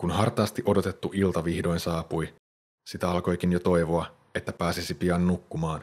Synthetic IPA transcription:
kunɦɑrt̪ɑːst̪iʔo̞do̞t̪e̞t̪ːuʔilt̪ɑʋihdo̞jnsɑːpuj | sit̪æɑlko̞jk̟injot̪o̞jʋo̞ɑ | e̞t̪ːæpæːsisipiɑnːukːumɑːn

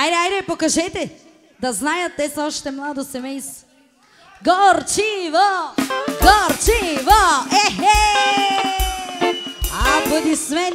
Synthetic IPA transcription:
ajd̪ɛajd̪ɛpokaʒɛt̪ɛ | d̪aznajat̪ːɛsaɔʃt̪ɛmlˠad̪osɛmɛjst̪ | ɡɔɾt͡ʃivo | ɡɔɾt͡ʃivɔɛɦɛ | abəd̪ismɛn

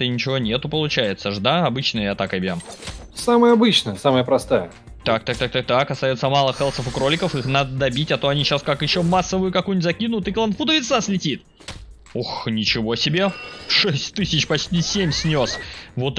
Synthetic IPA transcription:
ɨnʲɪt͡ɕɪvo̞nʲe̞t̪ʊpəlˠʊt͡ɕæjɪt̪səʐəd̪aɐbɨt͡ɕnəjəjat̪akɐbʲjam | saməjəɐbɨt͡ɕnəəsaməjəpɾɐst̪ajə | t̪ak̚t̪ak̚t̪ak̚t̪ak̚t̪akɐst̪ɐjot̪səmalˠəxɛlˠsəfɨkɾo̞lʲɪkəfɨxnad̪əd̪ɐbʲitʲɐt̪oɐnʲiɕaskakjɪɕːomasːəvʊjʊkɐkujʊnʲtʲzɐkʲinʊt̪ɨklˠɐnt̪fud̪əvʲɪt̪sasʲlʲɪtʲit̪ | oxnʲɪt͡ɕɪvo̞sʲɪbʲe̞ʂɛsʲtʲt̪ɨsʲɪt͡ɕpɐt͡ɕtʲisʲemʲsʲnʲo̞svo̞t̪

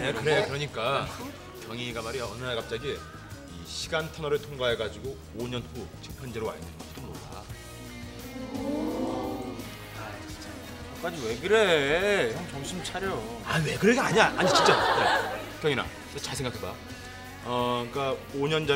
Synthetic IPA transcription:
kɯɾekɯɾʌɲik͈a | kjʌŋiɡamaɾiʌʌnɯnaɭkap̚t͡ɕ͈aɡi | iɕʰiɡantʰʌnʌɾɯɭtʰoŋɡaɦeɡad͡ʑiɡo | oɲʌnɡut͡ɕʰi̥pʰʌnd͡ʑeɾoa̰ɲnɯnɡʌtʰoŋɡoɡa̰ | at͡ɕi̥t͡ɕ͈a | ʌk͈ad͡ʑiweɡɯɾehant͡ɕʌŋɕʰimt͡ɕʰaɾjʌawe̞kɯɾʌɡeaɲiaʔːɲit͡ɕint͡ɕ͈awekjʌŋina̰ | t͡ɕat͡ɕaɭsʰe̞ŋɡakʰanba | ʌk͈aoɲʌnd͡ʑa

